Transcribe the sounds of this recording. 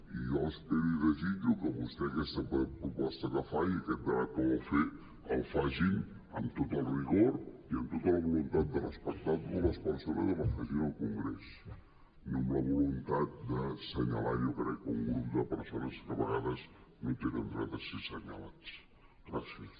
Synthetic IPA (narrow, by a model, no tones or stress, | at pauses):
iɔsp̪eɾiðəzid͡ʒukəβust̪ɛəkɛst̪əpɾupɔst̪əkəfajəkɛt̪̚d̪əβat̪̚kəβofe | əlˠfaʒin | ə̰mt̪ot̪əlˠriɣoɾiəmt̪ot̪ələβulunt̪at̪̚d̪ərəspək̚t̪at̪urəspunsəβliðələfaʒiɾəlˠkuŋɡɾɛs | nomləβulunt̪at̪̚d̪əsəɲəlajokɾɛkːəuŋɡɾup̚d̪əpəɾsonəstəβəɣaðəsnõt̪eɾənd̪ɾat̪əsesəɲəlat͡s | ɡɾasiəs